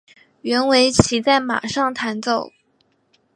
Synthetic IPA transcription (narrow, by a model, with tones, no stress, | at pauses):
ɥɛ˧˥nwe˧˥ɪt͡ɕʰi˧˥t͡sa˥˩ɪma̰˨˩ʂɑ˥˩ŋt̪ʰa˧˥nt͡so˥˨˩ʊ